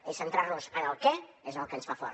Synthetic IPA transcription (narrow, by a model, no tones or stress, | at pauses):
esənt̪ɾaɾnuzanəlˠkɛezəlˠkənsfafɔ̰ɾ